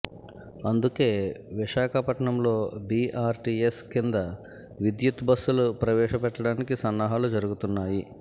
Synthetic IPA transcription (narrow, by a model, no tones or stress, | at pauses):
ɐnd̪uke̞ːʋiʃaːkʰɐpɐʈɐɳɐmlo̞ːbiːʔaːɾʈiːeskind̪ɐ | ʋid̪jut̪bɐsːulupɾɐʋɛːʂɐpɛʈːɐɽaːnikisɐnːɐɦaːlud͡ʒɐɾuɡut̪unːaːji